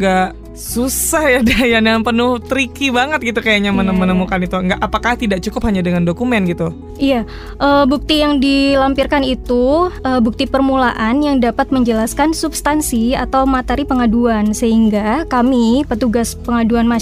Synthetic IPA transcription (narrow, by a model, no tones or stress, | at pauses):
ɡaʔ | susahjadajadanpənʊht̪ɾikibaŋət̪̚ɡit̪ukajaɲamənəmənəmukanit̪uŋɡaʔːpakaht̪idaʔk̚t͡ʃukʊphaɲadəŋandokumɛnɡit̪u | ija | ʔəbuk̚t̪ijaŋdilampirkanit̪uəbuk̚t̪ipərmulaʔanjaŋdapat̪̚məɲd͡ʒəlaskansubst̪ansia̰t̪awmat̪eɾipəŋaduansəɦiŋɡakamipət̪uɡaspəŋaduanma